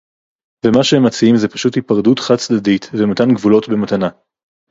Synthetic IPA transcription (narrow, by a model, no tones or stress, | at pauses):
vemaʃehemːat͡siimzepaʃuthipaʁdutχat͡sd̪adit̪vemat̪anɡvulo̞tbematana